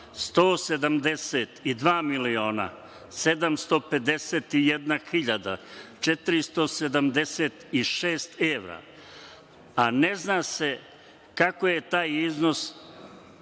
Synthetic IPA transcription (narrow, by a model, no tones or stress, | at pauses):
st̪oːse̞d̪amd̪eset̪id̪ʋaːmilio̞ːna̰ | se̞d̪amst̪o̞pe̞d̪eset̪ijed̪naxiʎad̪a̰t͡ʃet̪iɾist̪o̞se̞d̪amd̪eset̪iʃeːst̪eʋɾa̰ | aneznase̞ | kakoje̞t̪aːjizno̞s